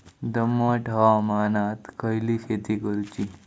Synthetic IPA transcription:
d̪əmːəʈʰaʋamanat̪kʰəjliɕet̪ikəɾut͡ɕi

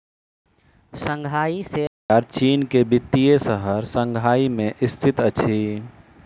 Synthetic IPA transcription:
sə̃ŋɡʱaise | aɾt͡ʃiːnkebit̪ːijesəɦəɾsə̃ŋɡʱaimẽʔist̪ʰit̪ət͡ʃʰi

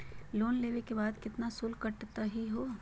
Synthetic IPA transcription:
loːnleːʋekebaːd̪kɪt̪nasʊlkɐʈt̪aɦiɦoː

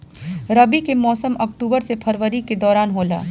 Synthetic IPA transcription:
ɾɐbikemɔːsəmɐkʈuːbəɾsepʰɐɾʋəɾiked̪ɔːɾaːnɦoːla̰ː

